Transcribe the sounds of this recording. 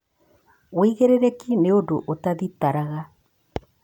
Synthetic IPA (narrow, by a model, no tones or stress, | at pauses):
oiɣeɾeɾɛkineondoʔotaðitaɾaɣa